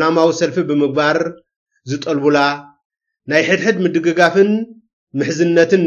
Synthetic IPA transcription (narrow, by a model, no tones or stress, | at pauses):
lamawisɐlfibɨmɨɡ̚baɾ | zɨt̪ʼɐlbula | najħɨd̪ħɨd̪mɨd̪ɨɡɨɡafɨn | mɨħzɨnːɐt̪ʰɨn